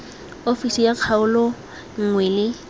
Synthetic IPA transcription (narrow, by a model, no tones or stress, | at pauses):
ofisijaq͡χʰaʊlɔ | ŋ̩ŋwɛlɪ